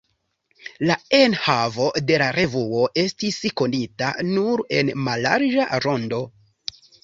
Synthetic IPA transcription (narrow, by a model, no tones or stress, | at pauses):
lae̞nhavo̞de̞laɾe̞vuo̞ʔe̞stisko̞nita̰nuɾe̞nmala̰ɾd͡ʒaɾo̞ndo̞